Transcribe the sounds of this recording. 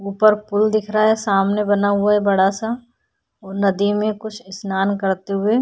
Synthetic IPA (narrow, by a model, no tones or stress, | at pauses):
uːpəɾpʊld̪ɪkʰɾaaɦɛsaːmnebɐnaɦʊaɦɛbɐɽasa | ɔːɾnɐd̪imẽkʊt͡ʃʰɪsnaːnkɐɾt̪eɦʊeː